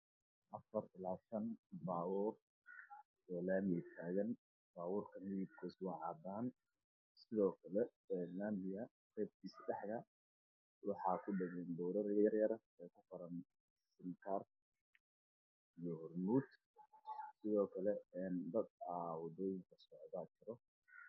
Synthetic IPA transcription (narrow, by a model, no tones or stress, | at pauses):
ʔɐfɐrɪlaːʃɐnbaːwɔːr | ɛːlaːmit̪ʰaːɣɐn | baːwuːrkʰɐmɪjɪb̚kʰɛswɑːʕɑːd̪aːn | sɪðɔːkʰɐlɛ | ɛnːaːmɪjɐ | rɛːb̚k̪ʰiːsɐɖɛħkɐ | wɑħɑːkʰʊɖɐɣɛːnd̪ɔwɾɐɾjɐrjɐɾɐ | ɛːkʰʊfɐɾɐn | sɪnkʰar | ijɔhʊrmuːd̪ | sɪðɔːkʰɐlɛɛːnd̪ɐd̪awɑd̪ɔːjɪŋkʰɐsɔʕðɐt͡ʃɪɾɔ